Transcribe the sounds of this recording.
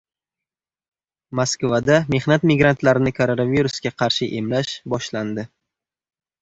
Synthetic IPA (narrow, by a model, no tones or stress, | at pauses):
maskvad̪ame̞hnat̪mɪɡɾant̪laɾɪnɪkʰoɾonaviɾusɡʲaqʰɑɾʃɪʔe̞mlaʃbɒʃland̪ɪ